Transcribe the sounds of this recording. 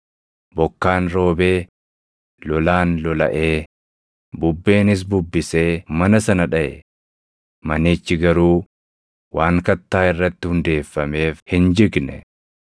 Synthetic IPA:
bɔkːaːnɾo̞ːbe̞ː | lɔlaːnlɔlɐ̰ʔe̞ː | bʊbːe̞ːnɪs̬bʊbːɪse̞ːmɐnɐsɐnɐᶑɐʔɛ̰ | mɐniːt͡ʃːɪɡɐɾuː | waːŋkɐt̪ːaːɪrːɐt̪ːɪhʊnd̪e̞ːfːɐme̞ːfhɪnd͡ʒɪɡnɛ̰

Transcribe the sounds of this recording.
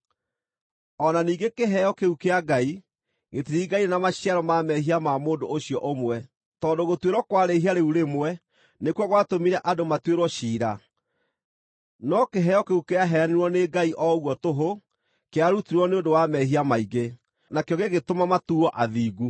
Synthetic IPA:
ɔnaniːɡekeɦɛjɔkeukeaɡai | ŋetiɾiːɡaienamaɕiaɾɔmamɛɦiamamoːndooɕijɔʔomwɛ | tɔndoɣotweɾwɔkwaɾeɦiaɾeuɾemwɛ | nekwɔɣwatomiɾɛʔadomatweɾwɔɕiːɾa | nɔkeɦɛjɔkeukeaɦɛaneɾwɔneɡaiʔɔɣwɔtoɦo | keaɾutiɾwɔneodowamɛɦiamaiɡe | nakejɔɣeɣetomamatuɔʔaðiːɡu

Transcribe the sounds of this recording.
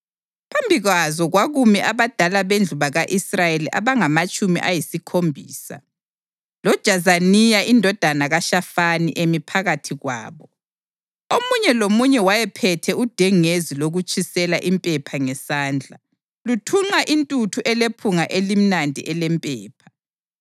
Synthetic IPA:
pʰambʱiɣwazɔɣwaɣumiʔaβad̥ʱalaβend͡ɮʱuβaɣaʔisrajeliʔaβaŋamat͡ʃʼumḭʔajisikʰombʱiːsa̰ | lɔd̥ʒ̥ʱazanijaʔindʱɔd̥ʱanaɣaʃafanḭʔemipʰaɣatʰiɣwa̰ːβɔ | omuɲɛlomuɲɛwajɛpʰɛtʰɛud̥ʱɛŋeziloɣut͡ʃʼʰisɛlaʔimpʼɛpʰaŋɛsaːnd͡ɮʱa | lutʰuŋ͡ǃaʔintʼutʰuʔɛlepʰuŋaʔelim̩nandʱḭʔɛlɛmpʼɛːpʰḁ

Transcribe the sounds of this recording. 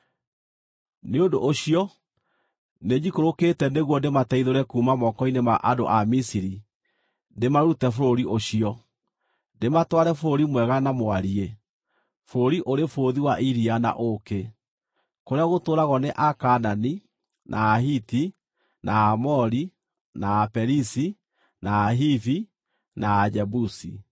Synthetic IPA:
neondo̰ʔːɕiɔ | ned͡ʒikoɾoketɛneɣwɔndematɛiðoɾɛkuːmamɔkɔinemaʔado̰ʔamisiɾi | ndemaɾutɛfoɾoɾiʔoɕiɔ | ndematwaɾɛfoɾoɾimwɛɣanamoaɾie | foɾoɾiʔoɾefoðiwaʔiɾiana̰ʔoke | koɾeaɣotoːɾaɣɔneʔakanani | nʔaːɦiti | nʔaːmɔɾi | naːpɛɾisi | naːɦiθi | naːd͡ʒɛbusi

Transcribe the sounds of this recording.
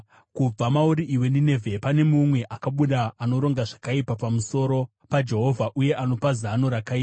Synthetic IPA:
kub͡vamauɾiʔiwe̞ndine̞vʱepane̞mumwe̞ʔakaɓuɗaano̞ɾo̞ŋɡaʐakaipapamuso̞ɾo̞ | pad͡ʒe̞ɦo̞vʱaʔuje̞ʔano̞pazano̞ɾakaiːa

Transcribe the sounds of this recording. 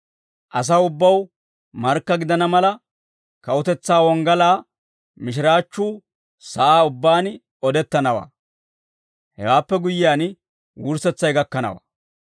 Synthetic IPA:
ʔɐs̬ɐwʊbːɐw | mɐɾkːɐɡɪd̪ɐnɐmɐlɐ | kɐwʊt̪ɛt͡sːaːwɔŋɡɐlaː | mɪʃ̬ɪɾaːt͡ʃːuː | sɐʔaːʊbːaːn | ɔd̪ɛt̪ːɐnɐwa̰ː | hɛ̰waːpːɛɡʊjːɪaːn | wʊɾsɛt͡sːɐjɡɐkːɐnɐ̰wa̰ː

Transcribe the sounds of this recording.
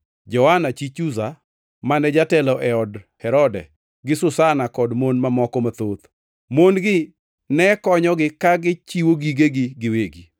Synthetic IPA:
d͡ʒɔwanat͡ʃit͡ʃuza | manɛd͡ʒatɛlɔʔɛɔdhɛɾɔdɛ̰ | ɡɪsʊsanakɔdmonmamɔkɔmat̪ot̪ | monɡɪ | nɛkɔɲɔɡɪkaɡɪt͡ʃiwoɡiɡeɡɪɡɪweɡi

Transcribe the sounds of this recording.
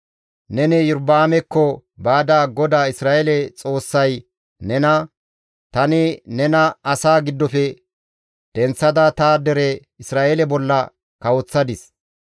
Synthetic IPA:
nɛnɛjʊɾbaːmɛkːɔbaːd̪aːɡɔd̪aːɪsɾaːʔelɛt͡sʼo̞ːsːɐj | nɛnɐ | t̪ɐnɪnɛnɐɐsaːɡɪd̪ːɔfɛ | d̪̥ɛnt͡sːɐd̪ɐt̪aːd̪ɛɾɛ | ɪsɾaːʔelɛbɔlːɐ | kɐwɔt͡sːɐd̪ɪs

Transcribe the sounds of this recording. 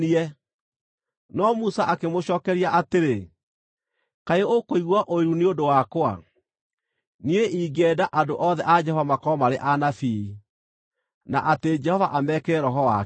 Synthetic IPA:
iɛ | nɔmusaʔakemoɕɔːkɛɾiaʔateɾe | kaeokoiɣwaʔoiɾuneodowakoa̰ | nieʔiːɡɛdaʔadoʔɔðɛʔad͡ʒɛhɔvamakɔmaɾeʔanafii | naʔated͡ʒɛhɔvaʔamɛkɛɾɔɦɔa

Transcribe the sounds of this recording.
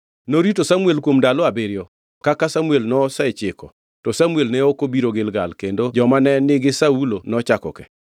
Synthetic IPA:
noɾitosamuelkwomdalɔabeɾjɔ | kakasamuelnɔsat͡ʃɪkɔ | tɔsamuelnɛokobiɾoɡɪlɡalkendod͡ʒɔmanɛnɪɡɪsaulonɔt͡ʃakɔ̰kɛ̰

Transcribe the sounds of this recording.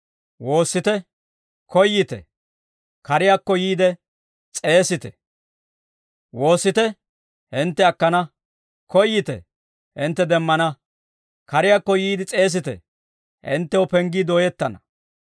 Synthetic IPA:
wo̞ːsːɪt̪ɛ | kɔjːɪt̪ɛ̰ | kɐɾɪjakːɔjiːd̪ɛ | t͡sʼe̞ːsɪt̪ɛ | wo̞ːsːɪt̪ɛ | hɪnt̪ːɛɐkːɐnɐ | kɔjːɪt̪ɛ̰ | hɪnt̪ːɛd̪ɛmːɐnɐ | kɐɾɪjaːkːɔjiːd̪ɪt͡sʼe̞ːs̬ɪt̪ɛ̰ | hɪ̰nt̪ːɛwɔpɛŋɡid̪o̞ːjɛt̪ːɐnɐ

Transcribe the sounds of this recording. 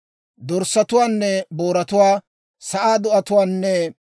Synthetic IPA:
d̪ɔɾsːɐt̪ʊwaːnːɛboːɾɐt̪ʊwaː | sɐʔaːd̪ʊʔɐt̪ʊwaːnːɛ

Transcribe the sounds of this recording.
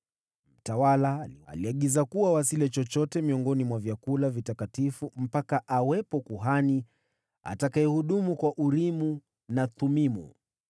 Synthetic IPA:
m̩tawalaːlia̰liaɠizakuwawasilɛt͡ʃɔt͡ʃɔtɛmiɔŋɡɔnimwavjakulavitakatifum̩pakaʔawɛpɔkuɦani | a̰takaɛhuɗumukwaʔuɾimu | natumimṵ

